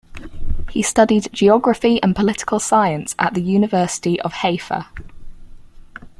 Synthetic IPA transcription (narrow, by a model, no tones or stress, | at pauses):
histʌdɪdd͡ʒiɒɡɹəfiə̃npʰəlɪtɪ̥kʰəlˠsaɪə̃nsə̰ʔðəjʉːnɪvɜˑsɪ̥tiʔə̰v̥heɪfə̰